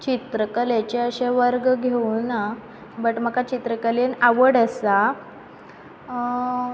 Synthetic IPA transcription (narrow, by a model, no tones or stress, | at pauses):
t͡ɕit̪ɾəkəlet͡ɕeəɕeʋəɾɡɡʱeuna | bəʈməkat͡ɕit̪ɾəkəlenaʋəɽəsa